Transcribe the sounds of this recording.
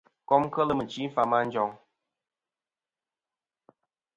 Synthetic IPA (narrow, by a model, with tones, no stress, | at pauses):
kɔ˦mkə˦lə˦mə˨t͡ʃi˨˦fa˨˦ma˦n̩˦d͡ʒɔ˨ŋ